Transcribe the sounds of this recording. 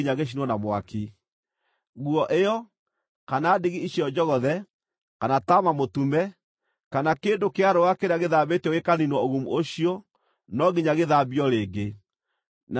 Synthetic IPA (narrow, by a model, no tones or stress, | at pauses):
iɲaɣeʃ̬inwɔnamwaki | ɣwɔʔejɔ | kanaːdeɣiiɕiɔd͡ʒɔɣɔðɛ | kanatamamotumɛ | kanakendokeaɾowakeɾeaɣeðaβetɛwekaninwɔoɣumuoɕiɔ | nɔɣiɲaɣeðabiɔɾeːɡe | n